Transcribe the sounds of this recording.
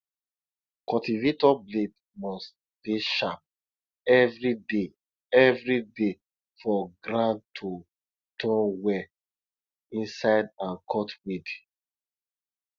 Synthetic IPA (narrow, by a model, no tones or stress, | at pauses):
kɔtivetɔbled | mɔst | b̥iʃap̚ | ɛvɹide | ɛvɹide | fɔɡɾãntʰo | tʰɔ̃nwɛ | ĩnsaɪdãnkʰɔtwid